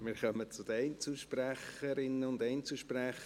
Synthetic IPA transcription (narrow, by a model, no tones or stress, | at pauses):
mɪːɾχœmət͡sʊd̪əɛɪnt͡suʃpræχəɾɪnːəʊnd̪ɛɪnt͡suʃpræχ